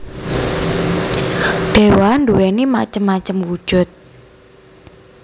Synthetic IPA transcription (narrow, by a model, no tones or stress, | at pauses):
ɖ̥ewanduwenimat͡ʃəmːat͡ʃəmwu̥ʒ̥ʊ̤t̪̚